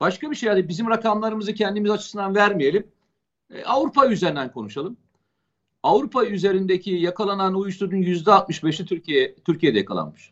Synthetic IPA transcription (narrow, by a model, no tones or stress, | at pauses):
b̥aʃkabiʃejhanibizimɾakʰamlˠaɾɯmɯzɯcʰɛnd̪imizat͡ʃʰɯ̥sɯnd̪anvæɾmije̞lʲim̰ | avɾupʰayzeind̪ænkʰo̞nuʃalˠɯm | avɾupʰayze̞ɾind̪ecʰijakʰalˠananujuʃt̪uɾd̪unjyzd̪ɛat̪̚mɯʃbɛʃ̬lʲɛt̪ʰyɾciɛt̪ʰyɾcijed̪ɛja̰kʰalˠa̰nmɯʃ